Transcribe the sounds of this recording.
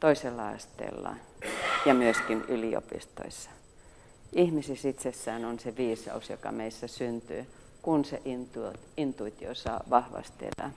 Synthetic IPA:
t̪oiselːɑɑ̰st̪ḛːlːɑ̰jɑmyøskinylio̰pḭst̪o̰isːɑ̥ | ihmisisit̪sesːæːnonseʋiːsɑ̰usjo̰kɑ̰meisːæsynt̪y̰ː | kunseʔint̪int̪uit̪iosɑ̰ːʋɑhʋɑ̰st̪ḛlæ̰

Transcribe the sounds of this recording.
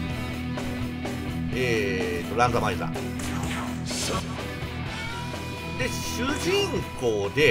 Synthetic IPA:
eːt̪ːoɾãnd̪omaiza̰ | d̪e̞ɕɨʑĩŋkoːd̪e̞

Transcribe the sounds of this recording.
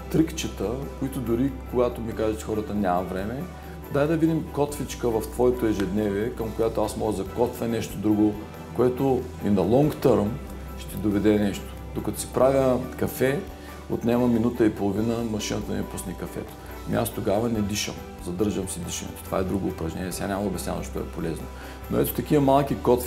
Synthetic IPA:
t̪ɾikt͡ʃət̪əkoit̪ʊd̪ʊɾikoɡat̪omikazɛt͡ʃɛ̥xɔɾət̪ɐnʲamɐvɾɛmɛ | d̪ajd̪ɐvid̪imkɔt̪fit͡ʃkəvɐft̪vɔɛt̪oɛʒɛd̪nɛviɛkɐmkojat̪oasmɔɡəzɐkɔt̪fɛnɛʃt̪od̪ɾuɡo | koɛt̪o | inɐlˠɔŋkt̪əɾm | ʃt̪ɛd̪ovɛd̪ɛnɛʃt̪o̥d̪okɐt̪o̥si̥pɾʔavʲjəkɐfɛ | o̰t̪nʲɛmɐminut̪əipolˠovinəmɐʃinət̪əɛpusnikɐfɛ̰t̪o̥ | mḭast̪oɡavɐnɛd̪iʃə̰m | zɐd̪ɤɾʒəmsid̪iʃə̰nɛ̰t̪t̪o̥va̰ɛd̪ɾuɡoːpɾɐʒnɛ̰nʲiɛsʲanʲamɐɐoːbʲɛsnʲa̰vɐ̰ʃt̪ɔ̰ɛ̰polɛzno̰ | no̰ɛ̰t̪o̥t̪ɐk̟iəmalˠkʲikɔt̪f

